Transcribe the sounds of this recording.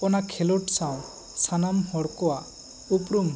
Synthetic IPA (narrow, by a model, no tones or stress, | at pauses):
ɔnakʰeluʈsaw̃ | sanamhɔɽkɔwa | upɾum